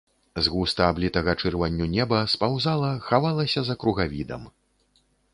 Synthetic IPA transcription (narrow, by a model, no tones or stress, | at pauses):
zɣust̪ɐablʲit̪ɐɣɐt͡ʂɨrvanʲːunʲɛbɐspawzalˠɐxavalˠɐsʲɐzɐkɾuɣavʲid̪ɐ̰m